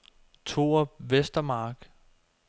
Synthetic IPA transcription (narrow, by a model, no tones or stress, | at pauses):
t͡sʰo̝̰ɐʋesd̥ɐmɑ̈ːɡ̥